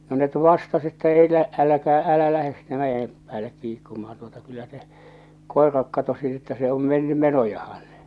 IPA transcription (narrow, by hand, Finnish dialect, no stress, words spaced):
no net ʋɑstɑs etːæ elæ ælækæː ælæ læhes sinːe mæjem pæːlːek kiːkːumɑhɑn tuotɑ kylːæ se koˑerɑek kɑtosi etːæ se om menːy menojɑhɑn